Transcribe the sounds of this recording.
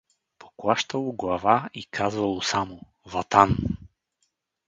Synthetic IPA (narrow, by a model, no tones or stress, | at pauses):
pʰo̥klˠaʃt̪ɐlˠoɡlˠɐvaikʰazvɐlˠosamo | vɐt̪an